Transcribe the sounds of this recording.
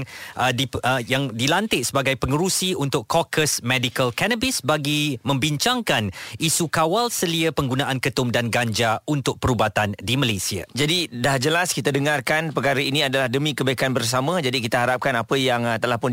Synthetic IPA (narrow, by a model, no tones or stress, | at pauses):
dijaŋdilant̪ɪʔsəbaɡajpəŋəɾusiunt̪ʊkɔkʰəsmɛdikəlkanəbisbaɡimə̃mbiɲt͡ʃaŋkanisukawalsəliəpəŋɡunãʔankət̪ʊmdanɡaɲd͡ʒaunt̪ʊk̚pəɾubat̪andimalasia̰d͡ʒadidahd͡ʒəlaskit̪adəŋarkanpəkaɾəiniadalahdəmĩkəbaikanbərs̬amãd͡ʒadikit̪aɦaɾap̚kanapəjaŋt̪əlahpʊn